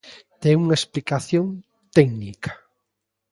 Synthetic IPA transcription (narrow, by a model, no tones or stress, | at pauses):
t̪ɛŋuŋaesplikaθjõŋ | t̪ɛɡnikʰḁ